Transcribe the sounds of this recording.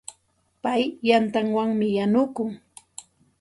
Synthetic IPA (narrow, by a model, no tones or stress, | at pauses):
pajːant̪aŋwaŋmɪjanʊkʊŋ